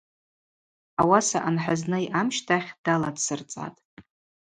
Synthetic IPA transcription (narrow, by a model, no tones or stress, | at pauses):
awasaʔanħʷᶣaznɨjʔamʃtʰaχʲd̥aladsɨrt͡sʼa̰tʼ